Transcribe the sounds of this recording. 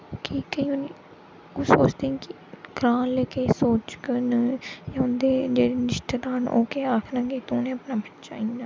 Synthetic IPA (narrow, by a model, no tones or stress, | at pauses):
kikəĩːʊniː | ʊsoːt͡ʃd̪ẽːkɪ | ɡɾaːnleːkeːsoːt͡ʃkənjãʊnd̪eːd͡ʒeːɽiːnɪʃʈəd̪aːno̰ːkeːaːkʰnãːɡeːt̪unẽːəpnaːbʱənt͡ʃa̰ːĩːd̪aː